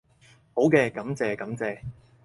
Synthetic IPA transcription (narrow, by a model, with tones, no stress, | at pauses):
ho˨˥wkɛː˧kɐ˨˥mt͡sɛː˨˧kɐ˨˥mt͡sɛː˨˧